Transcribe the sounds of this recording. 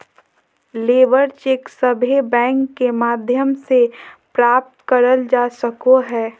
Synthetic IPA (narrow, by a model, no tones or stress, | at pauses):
leːʋəɾt͡ʃeːksəbʱebɛ̃ːŋkːemaːd̪ʱjəmsepɾaːp̚t̪kəɾəld͡ʒaːsəkoɦɛː